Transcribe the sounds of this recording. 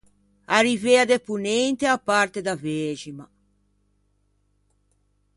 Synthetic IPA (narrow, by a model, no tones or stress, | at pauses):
arivead̪epunent̪eapːaɾt̪ed̪avɛd͡ʒima